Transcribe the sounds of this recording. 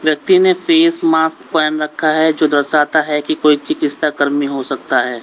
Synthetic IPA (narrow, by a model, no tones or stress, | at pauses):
ʋjɐk̚t̪inefeːsmaːst̪pɛːnɾɐkʰːaɦɛd͡ʒoːd̪ɐɾsaːt̪aɦɛkikoːit͡ʃɪkɪst̪akɐɾmiɦosɐk̚t̪aɦɛː